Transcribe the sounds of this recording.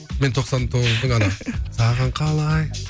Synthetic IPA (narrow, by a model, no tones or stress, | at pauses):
me̞nt̪ʰo̞qsɑnt̪ʰo̞ʁəzb̪əŋɑnsɑʁɑɴqʰɑlˠɑj